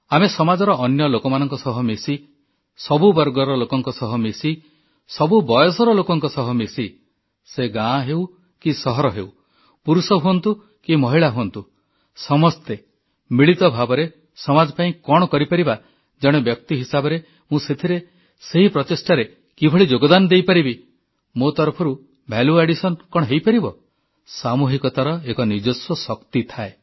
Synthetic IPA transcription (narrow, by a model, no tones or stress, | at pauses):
amesɔmad͡ʒɔɾɔʔːnjɔlokɔmanɔŋkɔsɔɦɔmesi | sɔbubɔɾɡɔɾɔlokɔŋkɔsɔɦɔmesi | sɔbubɔjɔsɔɾɔlokɔŋkɔsɔɦɔmesi | seɡãɦew | kisɔɦɔɾɔɦeu | puɾusɔɦuɔnt̪u | kimɔɦiɭaɦuɔnt̪u | sɔmɔst̪e | miɭit̪ɔbʱabɔɾe | sɔmad͡ʒɔpaĩkɔɽ̃ɔkɔɾipaɾiba | d͡ʒɔɽ̃ebjɔk̚t̪iɦisabɔɾe | mũset̪ʰiɾe | seɦipɾɔt̪esʈaɾe | kibʱɔɭid͡ʒoɡɔd̪anɔd̪ejpaɾibi | mot̪ɔɾpʰɔɾu | bʱaluaɽisɔnkɔɽ̃ɦejpaɾibɔ | samuɦikɔt̪aɾɔekɔnid͡ʒosɔsɔkt̪it̪ʰae